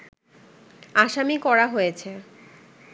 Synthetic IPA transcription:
aʃamikɔɽaɦojet͡ɕʰe

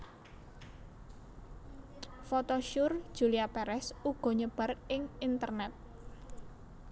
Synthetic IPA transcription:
fot̪oʃʊrd̥ʒ̥ṳliapɛɾɛsuɡ̥ɔ̤ɲəb̥ä̤rɪŋint̪ərnɛt̪̚

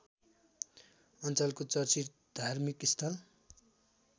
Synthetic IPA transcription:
ʌnt͡sʌlkot͡sʌrt͡sir | d̪̥ʱarmikist̪ʰʌl

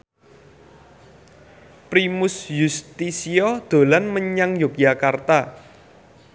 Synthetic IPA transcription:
pɾimʊsjust̪isiɔd̪̥o̤lanməɲaŋjok̚jakart̪a

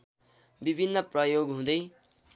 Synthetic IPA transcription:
bibʱinːʌprʌjoɡɦũd̪ʌj

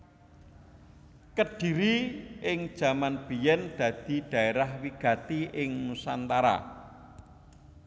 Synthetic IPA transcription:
kəɖ̥i̤ɾiɪŋd̥ʒ̥a̤manb̥ijɛnd̪̥ä̤d̪̥i̤ɖ̪̥ä̤eɾahwiɡ̥ä̤t̪iʔɪŋmusa̰nt̪aɾa̰

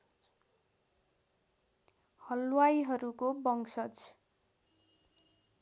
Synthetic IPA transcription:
hʌlwajɦʌɾukobʌŋsʌt͡s

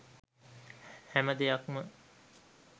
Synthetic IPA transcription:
hæməd̪ejɐkmə

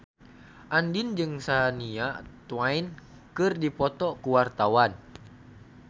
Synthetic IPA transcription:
ʔandind͡ʒɨŋsaniat̪uwain | kɨrdipɔt̪ɔkuwart̪awan

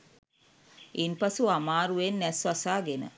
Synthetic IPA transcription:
inpasuamaːɾuʋenːɛsʋasaːɡenə̰

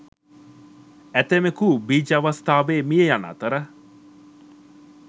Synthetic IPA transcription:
æt̪emekubiːd͡ʒaʋɐst̪aːʋeːmijejana̰t̪əɾə

